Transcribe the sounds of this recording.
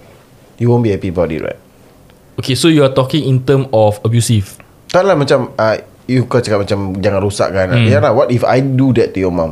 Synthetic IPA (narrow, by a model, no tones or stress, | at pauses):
juwõnbihɛpiəbawtḭʔɹa̰ɪt̚ | okesojuat̪ɔkĩŋĩnt̪ə̃mɔfəbjusif | t̪aʔlahmat͡ʃama | jukɔt͡ʃakat̚mat͡ʃamd͡ʒaŋãnɾusa̰ʔ̚kanajalawɔtifa̰jdudɛt̚ːujɔmãm